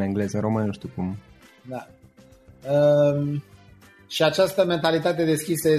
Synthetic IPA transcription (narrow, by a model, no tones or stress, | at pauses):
ɨŋɡle̞zəɾo̞mɨnnuʃt̪ukum | d̪a | əm | ʃiat͡ʃast̪əme̞nt̪alit̪at̪̬ed̪e̞skʲisəje